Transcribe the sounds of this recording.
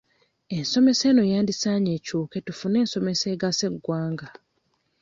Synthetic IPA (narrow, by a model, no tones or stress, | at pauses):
enso̞me̞se̞ːno̞jaːndisaɲe̞cuːke̞tufune̞ːnso̞me̞seːɡase̞ɡːwaːŋɡa